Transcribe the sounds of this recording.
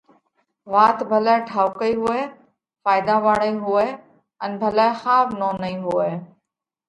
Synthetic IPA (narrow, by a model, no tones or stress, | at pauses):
ʋaːt̪bʱəlaːeʈʰaːʊkəiɦʊeː | faːɪd̪ãːʋaːɽəiːɦʊeː | ənbʱəlaːexaːbnõːnəĩːɦʊeː